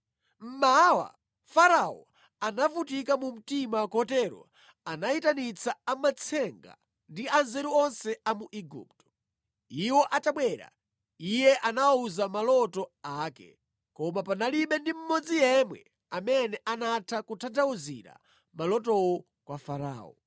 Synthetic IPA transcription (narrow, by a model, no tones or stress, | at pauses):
m̩mawa̰ | faɾaɔ̰ | anavutikamum̩timakɔtɛɾɔ̰ | anaitanit͡sʰaamat͡sʰɛŋɡa̰ | ndianzɛɾuɔnsɛamuʔiɡṵptɔ̥ | iwɔʔataɓwɛɾa̰ | ijɛʔanawauzamalɔtɔaːkɛ̰ | kɔmapanaliɓɛndim̩mɔd͡zijɛmwɛ̰ | amɛnɛʔanatʰakutʰantʰawuzḭɾa̰ | malɔt̬ɔwɔ | kwafaɾa̰ːɔ̰